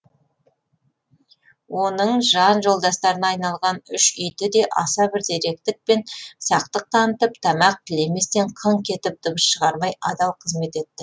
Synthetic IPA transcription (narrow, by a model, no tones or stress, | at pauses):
wo̞nəɴʒɑnʒo̞lˠd̪ɑst̪ɑɾənɑːjnɑlˠʁɑnʏʃʏjt̪ɪd̪e̞ʔɑ̰sɑbɪɾd̪e̞ɾe̞k̚t̪ɪk̚pe̞nsɑq̚t̪əq̚t̪ʰɑnət̪əpt̪ʰɑmɑq̚t̪ʲʰɪle̞me̞st̪e̞ɴqʰəɴkʲʰe̞t̪ɪp̚d̪̥ʊməsʃəʁɑɾmɑjɑd̪ɑwqʰəzme̞t̪e̞t̪ːɪ